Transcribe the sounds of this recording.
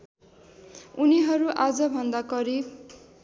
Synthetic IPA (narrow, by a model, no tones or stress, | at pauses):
uniɦʌɾuʔad͡zʌbʱʌnd̪akʌɾi